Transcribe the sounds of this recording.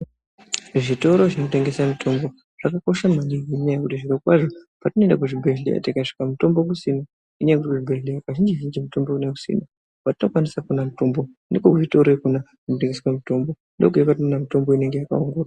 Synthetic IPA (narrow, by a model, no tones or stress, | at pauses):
ʐito̞ɾo̞ʐinote̞ŋɡe̞samitʰo̞mbo̞ | ʐ̥akako̞ʃamaniwiɲajakutiʐirekwaʐopatinendak̬uʐibʱeɮḛja̰tikaʂi̥kamuto̞mbokusina | iɲajakutiʐibʱelejakaʒind͡ʒiʒind͡ʒimuto̞mbokuneku̥sḭna | patino̞kwanisakunamutombo̞ | nekokuʐitoɾekuna | ʐiote̞ŋɡeswamito̞mbo̞ | ndokujekat̬iunamito̞mbo̞ine̞ŋɡe̞jaka̰uŋɡuːra